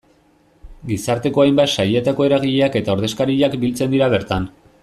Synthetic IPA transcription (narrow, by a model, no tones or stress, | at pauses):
ɡisaɾt̪e̞ko̞ajmbat̪ʃaje̞t̪ako̞e̞ɾaɣ̞iʎe̞ake̞t̪ao̞ɾð̞e̞skaɾiʎakbilt͡se̞nd̪iɾaβe̞ɾt̪an